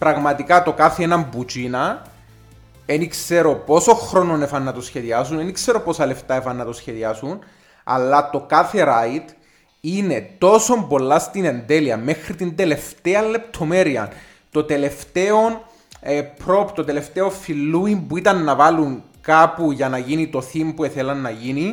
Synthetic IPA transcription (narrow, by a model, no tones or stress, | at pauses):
pɾɐɣmɐt̪ikɐt̪o̞kaθeenɐmbut͡ʃinɐ | enikse̞ɾo̞po̞so̞xɾo̞nonefɐnːɐt̪osçe̞ðiɐsunenikse̞ɾo̞po̞sɐle̞ft̪ɐefɐnːɐt̪osçe̞ðiɐsun | ɐ̰lːɐt̪o̞kaθe̞ɾait̪ | ine̞t̪o̞so̞mbo̞lːɐst̪ine̞nd̪e̞liɐme̞xɾit̪ind̪e̞le̞ft̪eɐlle̞pt̪ʰo̞me̞ɾiɐ̰n | t̪o̞t̪e̞le̞ft̪eo̞n | epɾo̞pt̪ot̪e̞le̞ft̪e̞o̞filːuimbuit̪ɐnːɐvɐluŋkapuʝɐnɐʝinit̪o̞θimpue̞θelɐnːɐʝini